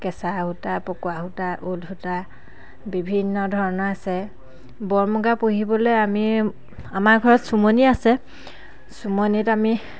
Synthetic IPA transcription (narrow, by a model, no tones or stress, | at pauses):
kɛsahutapɔkwaɦutaʔulɦuta | bibʱinːɔdʱɔɹɔnɔɹasɛ | bɔɹmuɡapuɦibɔlɛjami | amaɹɡʱɔɹɔtsumoniasɛ | sumonitami